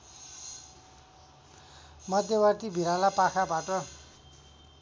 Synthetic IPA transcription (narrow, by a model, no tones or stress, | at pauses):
mʌd̪ʱjʌwart̪ibʱiɾalapakʰabaʈʌ